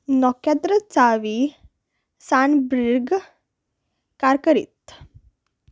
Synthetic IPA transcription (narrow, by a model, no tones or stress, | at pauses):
nɔkjad̪ɾət͡saʋi | sanbɾiɾɡ | kaɾkəɾḭt̪